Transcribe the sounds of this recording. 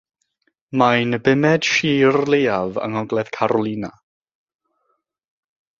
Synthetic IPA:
majnəbɪmɛd̥ʃiːrlˠejavə̰ŋɔɡlˠɛð̥kʰaɾɔlˠina

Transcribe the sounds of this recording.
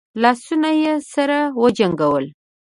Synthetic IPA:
lɑsunajesaɾawəd͡ʒaŋɡawəl

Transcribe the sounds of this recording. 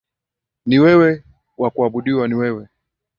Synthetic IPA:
niwɛwɛ | wakuaɓuɗiwaniwɛwɛ

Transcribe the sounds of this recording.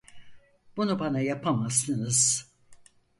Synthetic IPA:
b̥unubanajapʰamast̪ɯnɯz̥

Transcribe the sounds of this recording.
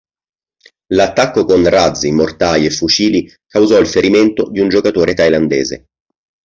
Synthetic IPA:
lat̪ːakːokonrad̪zimort̪ajefːut͡ʃiːli | kawzɔilfeɾiment̪od̪iund͡ʒokat̪oːɾet̪ajland̪ḛːzḛ

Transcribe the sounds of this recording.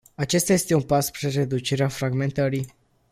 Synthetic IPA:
at͡ʃe̞st̪aje̞st̪eunpaspɾire̞d̪ut͡ʃeɾeafɾaɡme̞nt̪əɾi

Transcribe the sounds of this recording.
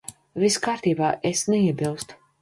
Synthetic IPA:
viskaːɾt̪iːbaːʔɛsnɛiɛbilˠst̪u̥

